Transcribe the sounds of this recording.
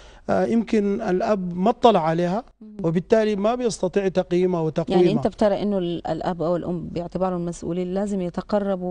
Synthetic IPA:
jɪmkɪnalʔabmɑt̪ˤːɑlɑʕaleːha | wɪbɪt̪ːaːlimabjɑsˤt̪ɑt̪ˤiːʕt̪ɑqjiːmawɪt̪ɑqjaʕniːiʔɪnt̪abt̪ɑɾˤɑʔɪnːʊa̰lʔabːʔawɪlʔʊmːbɪjɪʕt̪ɪbɑːɾˤʊlmasʔṵːliːnːaːzɪmjɪt̪aqɑrˤːɑb

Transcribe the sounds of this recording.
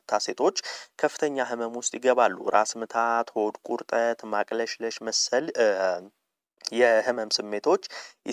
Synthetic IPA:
t̪ʰase̞t̪ʰo̞t͡ʃːkʰəfːɨ̥t̪ʰəɲːaɦɨməmwʊst̪ʼjɪɡəβalːṵɾasmɨt̪ʰat̪howd̪kʷʼuɾt̪ʼət̪makʼləʃləʃməsəl | jɛhɨməmsɨmːe̞t̪ʰo̞t͡ʃː

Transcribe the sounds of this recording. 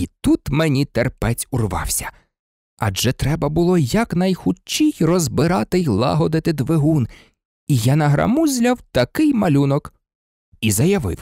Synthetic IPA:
it̪ut̪menʲit̪ɛrpɛt͡sʲʊrʋɑ̰wsʲɐ̥ | ɐ̰d͡ʒɛt̪ɾɛbɐbʊlˠɔjɐknɐjxʊt͡ʃːijrɔzbɪɾɑt̪ɪjlˠɑ̰ɦɔd̪ɪt̪ɪd̪ʋeɦun | ijanɐɦɾɐ̰muzʲlʲɐwt̪ɐkɪjmɐlʲunɔk | izɐjɐʋɪ̰w

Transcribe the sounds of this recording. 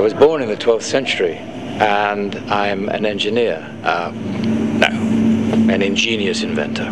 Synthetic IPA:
ɪwʌzbɔɹnɨ̃nðɨtʰw̥ɛlˠfθsɛ̃nt͡ʃə˞i | ə̃nãɪ̃mɨ̰̃nɛ̃nd͡ʒɨnɪɹ | ʔʌ | na̰ʊɨ̃nɨ̃nd͡ʒĩnjɨsɨ̃ɱvɛ̰̃ntʰə˞

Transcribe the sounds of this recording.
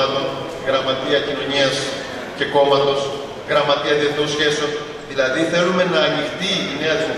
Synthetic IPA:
ɐlon | ɣɾɐmɐt̪iɐcino̞ɲiɐs | ce̞ko̞mɐt̪o̞s | ɣɾɐmɐt̪iɐt̪et̪osçe̞so | ðilɐðiθe̞lume̞nɐːnixt̪iine̞ɐðiɐ

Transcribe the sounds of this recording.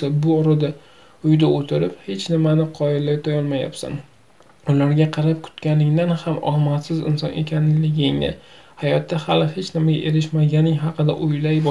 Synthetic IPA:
sabʊɒɾɨd̪a | ʊjd̪aot̪ʰɪɾɪphe̞t͡ʃnɪmanɪqʰɒɪlːajt̪ʰɒjɒlˠmaja̰psa̰n | ʊlaɾɡʲaqʰɑɾap̚kʰʊ̥t̪kʲanɪŋd̪anhamɒ̰lmasɪzɪ̰nsɒ̰ne̞kʲʰanlɪɡʲɪŋnɪ̰hajɒt̪ːahalɪhe̞t͡ʃnɪmaɡʲa̰ʔe̞ɾɪʃmaɡʲanɪŋɦɑqʰɨd̪a̰ʔʊjlajbɒ

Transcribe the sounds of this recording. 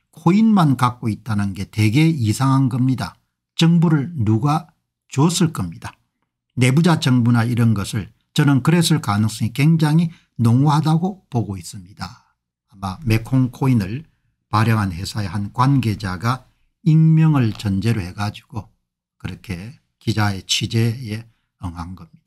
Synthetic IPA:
kʰoinmankak͈̚oit̚t͈anɯnɡe̞te̞ɡe̞isʰaŋɦanɡʌmɲida̰ | t͡ɕʌŋbuɾɯɭnuɡa | t͡ɕuʌs͈ɯɭk͈ʌmɲid̥a | ne̞bud͡ʑat͡ɕʌŋbunaiɾʌnɡʌsʰɯɭ | t͡ɕʌnɯnkɯɾesʰɯɭkanɯŋs͈ʌŋikwe̞ŋd͡ʑaŋi | noŋuhadaɡopoɡois͈ɯmɲidaː | mame̞kʰoŋkʰoinɯɭ | paɾjʌŋɦanhe̞sʰae̞hankwanɡe̞d͡ʑaɡa | iŋmjʌŋɯɭt͡ɕʌnd͡ʑe̞ɾohe̞ɡad͡ʑiɡ̥o | kɯɾʌkʰe̞ | kid͡ʑae̞t͡ɕʰid͡ʑe̞e | ʌŋɦanɡʌmɲid̥ḁ

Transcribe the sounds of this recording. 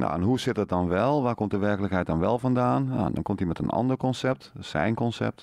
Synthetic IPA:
no̰ɛnɦusɪtdət̚dɔnʋɛlˠʋaːkomt̚dəʋɛrkələkɦɛjt̚dɔnʋɛlˠfɔndaːna̰ɛ̰ndɔ̰nkomtimɛtənɑ̰ndərkɔnsɛp̚tsɛ̰jnkɔnsɛ̰p̚t

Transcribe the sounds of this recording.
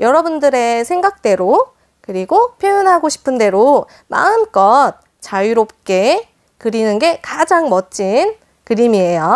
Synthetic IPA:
jʌɾʌbundɯɾe̞sʰe̞ŋɡak̚t͈e̞ɾo | kɯɾiɡopʰjojʌnɦaɡoɕʰi̥pʰɯnde̞ɾo | ma̰ɯmk͈ʌt̚ | t͡ɕajiɾop̚k͈e̞ | kɯɾinɯnɡe̞kad͡ʑaŋmʌt͡ɕ͈in | kɯɾimiejo

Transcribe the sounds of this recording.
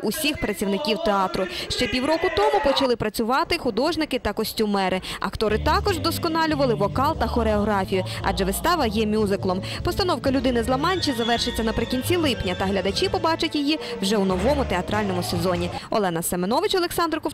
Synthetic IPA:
ʊsʲixpɾɐt͡sʲiwnɪkʲiwt̪eɑt̪ɾʊʃt͡ʃɛpʲiwɾɔkʊt̪ɔmʊpɔt͡ʃɐlˠɪpɾɐt͡sʲʊʋɑt̪ɪxʊd̪ɔʒnɪkɪt̪ɐkɔsʲtʲʊmɛɾʔɪɐ̰kt̪ɔɾɪt̪ɑkɔʒd̪ɔskɔnɑlʲʊʋɐlˠɪʋɔkɑlˠt̪ɐxɔɾeɔɦɾɑfʲijʊɐ̰d͡ʒɛʋɪst̪ɑʋɐjɛmʲuzɪklˠɔm | pɔst̪ɐnɔwkɐlʲʊd̪ɪnɪzlˠɐmɑnʲt͡ʃizɐʋɛrʃɪt͡sʲːɐnɐpɾɪkʲinʲt͡sʲilˠɪpnʲɐt̪ɐɦlʲɐd̪ɐt͡ʃipɔbɑt͡ʃɐtʲjijiwʒɛunɔʋɔmʊt̪eɐt̪ɾɑlʲnɔmʊsezɔnʲiɔ̰lˠɛnɐsemenɔʋɪt͡ʃɔlˠeksɑnd̪rkɔ

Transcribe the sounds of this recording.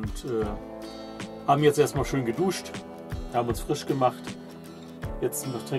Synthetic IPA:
ʊntʔɛː | haːbm̩jɛt͡stʔeɐstmaːlʃøːnɡəduːʃt | haːbm̩ʊnsfʁ̥ɪʃɡ̥əmaχt | jɛt͡stnɔχtʁ̥ɪ

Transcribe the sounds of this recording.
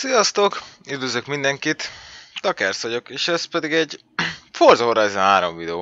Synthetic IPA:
sijɒst̪okyd̪øzøkmind̪ɛŋkit̪t̪ɒkɛrsɒɟo̞keːʃɛspɛd̪iɡɛɟ | forzooɾazɛɦaːɾo̰ɱvid̪ɛoː

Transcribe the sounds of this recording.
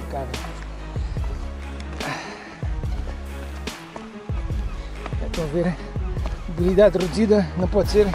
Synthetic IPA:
kavɐ | at̪ɐ̃w̃veɾ | uβilˠid̪ad̪ʁɨd̪uziðɐnɐ̃w̃pɔd̪seɾ

